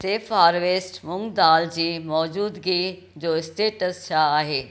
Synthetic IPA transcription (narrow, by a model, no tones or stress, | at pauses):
seːfɦaːɾʋesʈmʊ̃ŋɡd̪aːld͡ʑiːmɔːd͡ʑuːd̪ɡi | d͡ʑoːɪsʈeːʈəst͡ɕʰaaːɦeː